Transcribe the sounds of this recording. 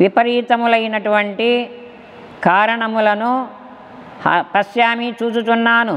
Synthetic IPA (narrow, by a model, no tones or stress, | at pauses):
ʋipɐɾiːt̪ɐmulɐjinɐʈuʋɐɳʈi | kaːɾɐɳɐmulɐnu | hɐpɐʃjaːmit͡ʃuːt͡ʃut̪unːaːnu